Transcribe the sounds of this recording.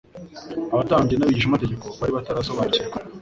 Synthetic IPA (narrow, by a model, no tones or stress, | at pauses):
aβataːɲɡenaβiɟiʃimateɟe̞ko̞βaɾiβataɾasoβajceka